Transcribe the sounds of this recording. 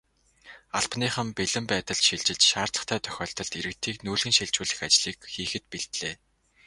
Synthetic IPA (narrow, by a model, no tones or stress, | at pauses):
aɮpniːχə̆mpeɮɘ̆mpæːt̪ə̆ɮʃiɮt͡ɕɪ̆ɮt͡ɕʃaːrt̪ɮə̥̆χt̪ʰæːt̪ʰœ̥xʲɔːɬt̪ə̆ɮt̪iɾɘ̆k̚t̪ʰiːknuːɮɣɘ̆nʃiɮt͡ɕuːɮɘ̆xat͡ɕɮiːkxiːxɘ̆t̪̚piɮt̪ɮeː